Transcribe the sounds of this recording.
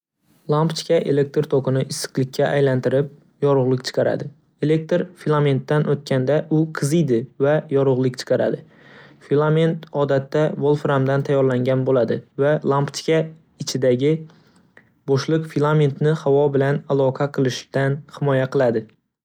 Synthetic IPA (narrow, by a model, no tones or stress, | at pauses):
lˠampt͡ʃ̪ɪ̥kʲʰaʔe̞le̞k̚t̪ɾt̪ʰoqʰɨnɪʔɪsːɨ̥qlˠɪkʲʰːaʔajlant̪ɪɾɪp̚ | jɒɾʊʁlˠɪkʲt͡ʃʰɨ̥qʰɑɾa̰d̪ɪ | e̞le̞k̚t̪ɾfilˠame̞nt̪ːanʔot̪̚kʲʰand̪aʔʊqʰɨzijd̪ɪvajɒɾʊʁlˠɪkʲt͡ʃʰɨ̥qʰɑɾa̰d̪ɪ | filˠame̞nt̪ɒd̪at̪ːavolˠfɾamd̪ant̪ʰajːɒɾlaŋɡʲanbolad̪ɪvalˠampt͡ʃ̪kʲa | ɪt͡ʃʰɪd̪aɡʲɪ | bɒʃlˠɨqfilˠame̞nt̪nɪhavɒbɪlanalˠɒqʰɑqʰɨlˠɪʃt̪anhɪmɒjaqɨlˠad̪ɪ